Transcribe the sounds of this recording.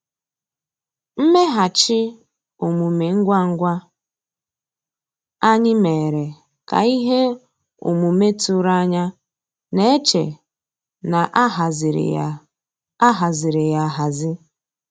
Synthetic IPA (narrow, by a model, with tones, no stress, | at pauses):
m̩˦me˦ɦa˨t͡ʃɪ˦ | o˨mu˨me˨ŋ̩˦ɡʷa˦ŋ̩˦ɡʷa˦ | a˦ɲɪ˦me˨ɾe˨ | ka̰˨i˦ɦe˦ | ṵ˨mu˨me˦tu˦ɾa˦ɲa˦ | ne˦e˦t͡ʃḛ˨ | na˨ʔɦa˨zɪ˨ɾ̰ | ɦa˨zɪ˨ɾɪ˨ja˨ɦa˨zɪ˦